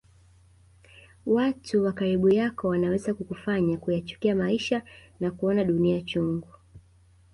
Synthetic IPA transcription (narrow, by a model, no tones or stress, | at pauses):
watʰuwakaɾiɓujakɔwanawɛzakukufaɲakujat͡ʃu̥kiamaiʃanakuɔnaɗuniat͡ʃuŋɡu